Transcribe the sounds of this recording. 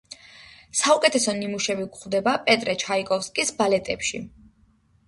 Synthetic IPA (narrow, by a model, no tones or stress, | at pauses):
saukʼɛt̪ʰɛsɔnimuʃɛbiɡχd̪ɛbapʼɛt̪ʼɾɛt͡ʃʰaikʼɔfskʼisbalɛt̪ʼɛpʃḭ